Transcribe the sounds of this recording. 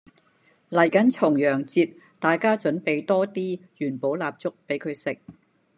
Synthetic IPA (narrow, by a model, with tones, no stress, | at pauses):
lɐ˨˩jkɐ˨˥nt͡ʃʰʊ˨˩ŋjœː˨˩ŋt͡siː˧t̚ | t̪aː˨jkaː˥t͡ʃɵ˨˥npe˨jt̪ɔː˥t̪iː˥jyː˨˩npo˨˥wlaː˨˧p̚t͡sʊ˥k̚pe˨˥jkʰɵ˨˧ɥsɪ˨k̚